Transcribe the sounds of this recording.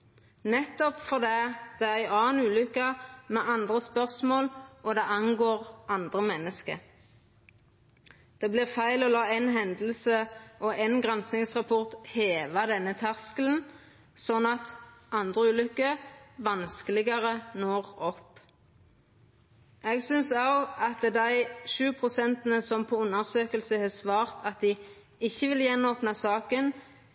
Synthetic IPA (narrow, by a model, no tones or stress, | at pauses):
nɛt̪ːɔpfɔʁd̪æːd̪̥ɛæʁæɪɑːnʉːlʏkɑmɛʔɑnd̪ʁəspœʁsmoːlʔɔd̪ɛʔɑnɡoːʁʔɑnd̪ʁəmɛnːəskə̰ | d̪̥ɛːblɪʁfæɪlɔlɑːænɦɛnd̪l̩səʔɔʔɛnɡʁɛnsnɪŋsʁɑpʰɔʁt̪heːʋɑd̪ɛnːət̪ʰæʁskəln̩ | sɔnːɑt̪ʔɑnd̪ʁəʉːlʏkːəʋɑnskəlɪɡəʁənoːʁɔpː | ɛːɡsʏnsɑːɡɑt̪d̪æɪʃʉːpʰʁʊsɛnt̪ənəsɔmpʰoːʊnːəʁsøːkəlsəheːsʋɑːʁt̪ʰɑt̪̚d̪ɪ | ɪçːəʋɪljɛnoːpnɑsɑːkən